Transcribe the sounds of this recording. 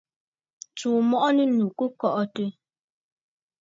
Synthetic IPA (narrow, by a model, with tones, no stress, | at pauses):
t͡ʃuː˨mɔ˦ʔɔ˦ni˦nu˨ku˦kɔ˦ʔɔ˦tə˦